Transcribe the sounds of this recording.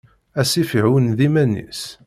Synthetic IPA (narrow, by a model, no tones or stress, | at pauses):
æsifiʕwənðimænḭs